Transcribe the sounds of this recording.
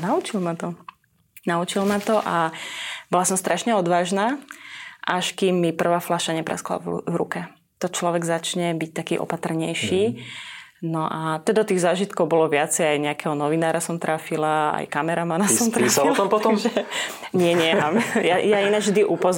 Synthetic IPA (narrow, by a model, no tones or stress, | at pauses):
naut͡ʃilmat̪ɔ | naut͡ʃilmat̪ɔʔabɔlasɔmst̪ɾʔaʃɲɛɔd̪ʋaːʒnaː | ʔaʃkimːipr̩ʋaːflaʃaɲɛpɾa̰skla̰v̰vɾṵkɛ | t̪ɔt͡ʃlɔʋɛɡzat͡ʃɲɛbic̚t̪akiːʔɔ̰pat̪r̩ɲɛjʃiː | nɔʔat̪ɔd̪ɔt̪iːɣzaːʒit̪kɔʊbɔlɔʋɪat͡sɛjajɲɛakɛɦɔnɔʋinaːɾasɔmt̪ɾafilaa̰jkamɛɾamanasɔmt̪ɾafiɔt̪ɔmpɔt̪ɔmʒɛ | ɲɪɛɲɛmmamjajainavʒd̪iʔupɔz